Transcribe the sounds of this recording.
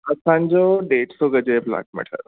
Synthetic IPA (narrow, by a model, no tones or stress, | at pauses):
ɐsãːɲd͡ʑoɖeːʈsoɡəd͡ʑebla̰ːkʰmɛ̰ʈʰə̰ɾ